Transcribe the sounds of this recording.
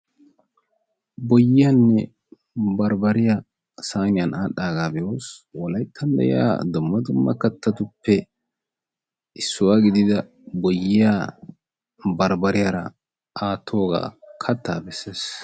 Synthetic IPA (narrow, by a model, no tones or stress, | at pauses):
bɔjːɪjanːɛ | bɐɾbɐɾɪja | saːnɪjɐnaːɗaːɡaːbɛjoːswɔlɐjt̪ʰːɐnd̪ɛ̰jɪja̰ːd̪ʊmːɐd̪ʊmːɐ̰kːɐt̪ːɐt̪ʊpːɛ | ʔɪsːʊwaːɡɪd̪ɪd̪ɐ | bɔjːɪjaː | bɐɾbɐɾɪjaːɾɐ̰ | aːt̪ʰːoːɡa̰ːkʰɐt̪ːaːbɛsːeːs